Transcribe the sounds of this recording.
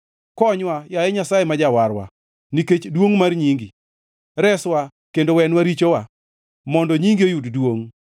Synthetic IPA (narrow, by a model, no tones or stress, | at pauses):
kɔɲwajaɛɲasajemad͡ʒawaɾwa̰ | niket͡ʃdwoŋmarɲiŋɡi | ɾɛswa | kendowɛnwaɾit͡ʃowa | mɔndɔɲiŋɡiojuddwoŋ